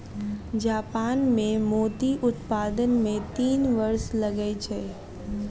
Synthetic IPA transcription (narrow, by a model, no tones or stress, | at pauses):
d͡ʒaːpaːnmẽmoːd̪iʔʊt̪paːd̪ənmẽt̪iːnʋɐɾslɐɡəet͡ʃʰəe